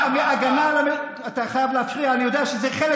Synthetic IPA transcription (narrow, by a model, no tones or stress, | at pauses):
miaɡanalame | ataχajavleafʁiaːnijo̞d̪eaʃezeχele